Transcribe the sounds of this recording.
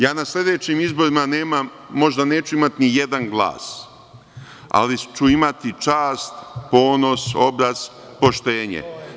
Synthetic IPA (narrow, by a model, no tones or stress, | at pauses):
jaːnaslʲe̞d̪e̞t͡ɕimizbo̞ɾimane̞ːmamː | o̞ʒd̪ane̞ːt͡ʃuimat̪inije̞d̪anɡlˠa̰ːs | a̰lit͡ʃuimat̪it͡ʃaːst̪po̞ːnoso̞bɾaz̥ | po̞ʃt̪eːɲḛ